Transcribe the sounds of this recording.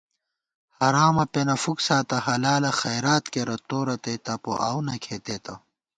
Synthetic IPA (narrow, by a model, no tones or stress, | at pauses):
hɐɾaːmɐpenɐfuksaːt̪ɐɦɐlaːlɐxɐjɾaːt̪keɾɐt̪oːɾɐt̪et̪ɐpo̰ʔa̰ːwnɐkʰet̪eːt̪ɐ